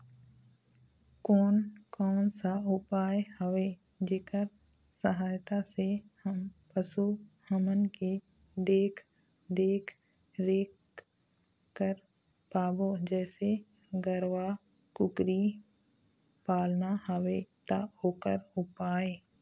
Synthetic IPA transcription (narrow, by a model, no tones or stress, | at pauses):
koːnkɔːnsaʊpaːjehəʋeː | d͡ʒeːkəɾ | səɦaːjt̪asehəmpəsuhəmənke | d̪eːkʰ | d̪eːkʰ | ɾeːk | kːəɾ | paːbod͡ʒɛːse | ɡəɾʋa | kʊkɾi | paːlnahəʋet̪aoːkəɾʊpaːeː